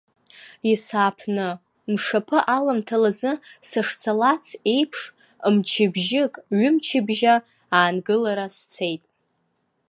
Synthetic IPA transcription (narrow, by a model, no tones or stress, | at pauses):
isaːpʰnɨ | mʂapʰɨʔalamtʰalazɨsaʂt͡sʰalat͡sʰe̞jpʰʂ | mt͡ʃʰɪbʒɪkʼɥʏmt͡ʃʰɪbʒa | aːnɡɨlaɾast͡sʰe̞jtʼ